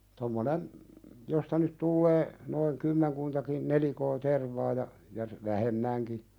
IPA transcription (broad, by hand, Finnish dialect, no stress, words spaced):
tomːonen jostɑ nyt tulːeː noiŋ kymːeŋkuntɑkin nelikoː terʋɑː jɑ jɑ ʋæhemːæŋki